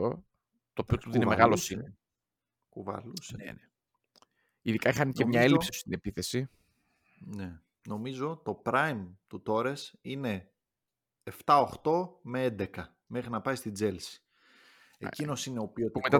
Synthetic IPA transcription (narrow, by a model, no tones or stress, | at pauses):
o̰ | t̪oːpiot̪uðinemeɣɐlosine | kuvɐ̰lusḛne | iðikɐixɐnecemɲɐelipsist̪ine̞piθe̞si | ne̞ | no̞mizo̞t̪o̞pɾɐjmt̪ut̪o̞ɾesine̞ | eft̪ɐo̞xt̪o̞me̞end̪e̞kɐ | me̞xɾinɐpɐist̪id͡ze̞lsi̥ | e̞̰cino̞sine̞o̞piopmet̪ɐ